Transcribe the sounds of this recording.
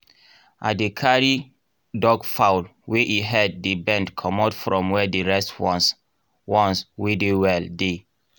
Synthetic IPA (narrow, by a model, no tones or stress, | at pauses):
ʔa̰dekʰaɹi | dɔɡfalweʔiɦɛd̚ːebɛ̃ndkʰɔmɔtfɹɔ̃mwɛdeɹɛstwɔ̃s | wɔ̃nswedewɛlde